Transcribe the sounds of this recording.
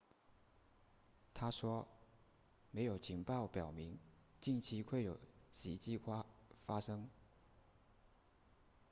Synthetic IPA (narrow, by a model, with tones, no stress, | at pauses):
t̪ʰa˥ʂwɔ˥ | me˧˥ɪjo˨˩ʊt͡ɕʰi˧˥ŋpɑ˥˩ʊpjɑ˨˩ʊmi˧˥ŋt͡ɕi˥˩nt͡ɕʰi˧˥kʰwe˥˩ɪjo˨˩ʊɕi˧˥t͡ɕi˥kʰa˥fa˥ʂɤ˥ŋ